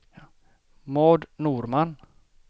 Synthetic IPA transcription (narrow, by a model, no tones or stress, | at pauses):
moːd̪nuːɾman